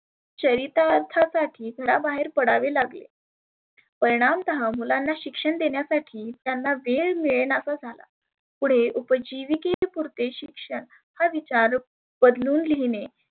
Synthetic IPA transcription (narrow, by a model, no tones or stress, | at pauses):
t͡ɕəɾit̪aɾt̪ʰasaʈʰiːɡʱəɾabaɦeɾpəɽaʋelaɡlḛ | pəɾiɽ̃amt̪əɦamulanːaɕikʂəɳd̪eɳjasaʈʰiːt̪janːaʋeɭmiɭenasad͡zʱala̰ | puɽ̤eʔupəd͡ʑiʋikepuɾt̪eɕikʂəɳ | haʋit͡ɕaɾ | b̥əd̪luːnliine